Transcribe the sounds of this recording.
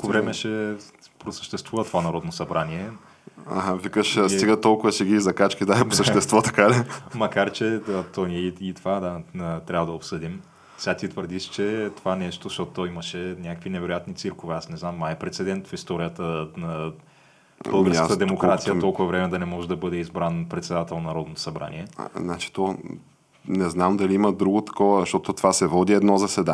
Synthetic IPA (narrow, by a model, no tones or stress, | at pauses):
kovɾɛmɛʃɛpɾosə̥ʃt̪ɛst̪vuvɐt̪ovanɐɾɔd̪nosɐbɾaniɛ | a̰ɦavikəʃst̪iɡat̪ɔlˠkʊvɐsɛɡʲizɐkat͡ʃkid̪aɛposəʃt̪ɛst̪vɔt̪ɐ̥kalimɐkaɾt͡ʃɛət̪ɔniɛiit̪ovad̪at̪ɾʲabvəd̪ɐopsɤd̪im | fsɛɡat̪it̪vəɾd̪iʃt͡ʃɛt̪ovanɛʃt̪ozɐʃt̪ɔt̪ot̪ːɔimɐʃɛnʲakəkvinɛvɛɾojat̪nit̪siɾˠkovɛasnɛznamːaɛpɾɛt̪sɛd̪ɛnt̪fist̪ɔɾijət̪ənɐ | bəlˠɡəɾsksət̪əd̪ɛmmokɾat̪sijət̪ɔlˠkʊvɐvɾɛmɛd̪ɐnɛmɔʒɛd̪ɐbɤd̪ɛizbɾanpɾɛt̪sɛd̪at̪ɛlˠnɐɾɔd̪not̪o̥sɐbɾa̰nḭɛnat͡ʃi̥t̪ɔ | nɛznamd̪ɐliimɐd̪ɾuɡot̪ɐ̥kɔvəʃt̪ɔt̪ot̪ovasɛvɔd̪iɛd̪nɔzɐsɛd̪a